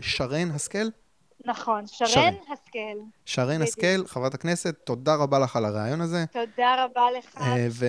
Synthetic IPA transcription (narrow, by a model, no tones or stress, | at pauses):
ʃaʁenɦaskel | naχo̞nʃaʁenhaskelʃaʁenhaskelχavʁat̪akne̞set̪ːo̞daʁabaleχalaʁeajo̞naze̞t̪od̪aʁabaleχave